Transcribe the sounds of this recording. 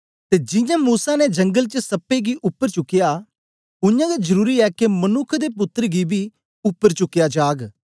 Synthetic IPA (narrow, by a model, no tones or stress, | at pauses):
t̪ed͡ʒɪ̃jãːmuːsaːned͡ʒə̃ŋɡəlt͡ʃəsɐpːeɡiʔʊpːəɾt͡ʃʊkːɪjaː | ʊjãːɡed͡ʒəɾuːɾiɛːkemənʊkʰd̪eːp̬ʊt̪ːəɾɡibʱi | ʊpːəɾt͡ʃʊkːɪjad͡ʒaːɡ